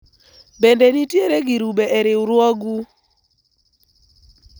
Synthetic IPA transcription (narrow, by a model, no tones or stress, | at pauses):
bendenitjeɾeɡiɾubeʔɛɾɪuɾwɔɡu